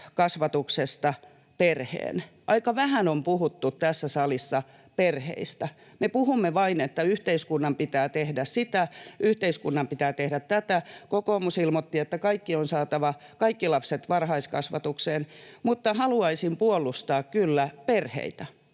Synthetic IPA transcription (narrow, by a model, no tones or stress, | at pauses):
kɑsʋɑt̪uksest̪ɑ | perhḛːnʔɑikɑʋæhænompuhut̪ːut̪tæsːæsɑlisːɑ | perhḛist̪æ | mepuhumːeʋɑinet̪ːæyht̪eiskunːɑmpit̪æːt̪ehdæssit̪æʔyht̪eiskunːɑmpit̪æːt̪ehdæt̪tæt̪ækokoːmusilmot̪ːiet̪ːækɑikːionsɑːt̪ɑʋɑ | kɑikːilɑpset̪ʋɑrhɑiskɑ̰sʋɑ̰t̪ukseːnmut̪ːɑhɑluɑisimpuolːˑust̪ɑːkkylːæperhḛit̪æ